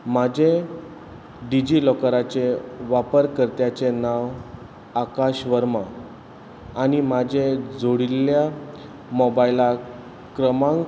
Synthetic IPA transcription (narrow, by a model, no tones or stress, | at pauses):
mad͡ʑʱe | ɖid͡ʑilɔkɾat͡ɕeʋapəɾkəɾt̪jat͡ɕenaʋ | akaɕʋəɾmaː | nimad͡ʑʱed͡zʱoɽilja | mɔbajla | kɾəmãŋ